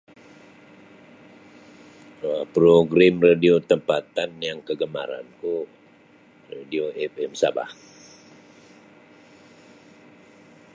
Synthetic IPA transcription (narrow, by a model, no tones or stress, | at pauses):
əpɾoɡɾamradiot̪əmpat̪anjaŋkəɡəma̰ɾa̰nku | radioʔɛfɛmsa̰ba̰h